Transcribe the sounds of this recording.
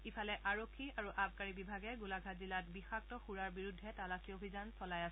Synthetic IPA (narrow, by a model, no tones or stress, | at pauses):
ipʰalɛʔaɹokʰːiaɹuʔabkaɹibibʱaɡɛɡulaɡʱazilatbixak̚tɔxuɹaɹbiɹudʱːɛtalaxiobʱizansɔlajasɛ